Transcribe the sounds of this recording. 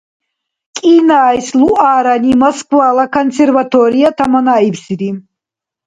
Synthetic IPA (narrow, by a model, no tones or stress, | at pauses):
kʼinaːjsluʔaːɾanimɔskʰʼwaːlakʰɔnsɛɾvat̪ʰɔɾiat̪ʰamɔnaipsiɾi